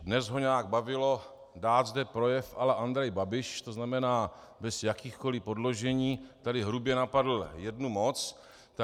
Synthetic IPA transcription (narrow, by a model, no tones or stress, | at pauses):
dnɛzɦo̞ɲaaɡ̚bavɪlo̞ | daːt̪zdɛpɾo̞jɛfʔalɛʔand̪ɾɛjbabɪʃt̪o̞znamɛnaː | bɛsjakiːxko̞lɪpo̞dlo̞ʒɛɲiːt̪adɪɦɾubjɛnapadl̩jɛdnumo̞t͡s | t̪a